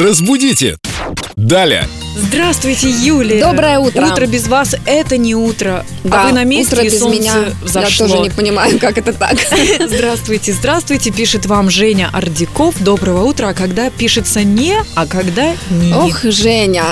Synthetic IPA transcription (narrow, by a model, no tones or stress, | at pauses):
rəzbʊdʲitʲɪ̰d̪alʲɪ̰ə̰ | zd̪ɾast̪vʊjtʲɪjulʲɪjəd̪obɾəjəutəut̪ɾəbʲɪzvasɛt̪ənʲɪut̪ɾə | daavɨnɐmʲest̪ɾəɪzonmɪaɨvzɐjaʂloɨonʲɪpənʲɪmajʊkakɛt̪ət̪a̰kzd̪ɾast̪vʊjtʲɪzd̪ɾast̪vʊjtʲɪpʲiʂɨt̪vamʐɛnʲəʔɐrdʲɪko̞fd̪o̞bɾəvəut̪ɾəːkɐɡd̪apʲiʂɨt̪sənʲɪɐkɐɡd̪anʲɪoxʐɛnʲə